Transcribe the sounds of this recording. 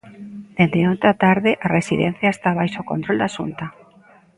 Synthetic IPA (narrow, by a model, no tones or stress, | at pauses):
d̪̥ed̪eont̪at̪aɾðɪʔaresiðḛn̟θjaest̪aβajsokont̪ɾold̪aʃunt̪a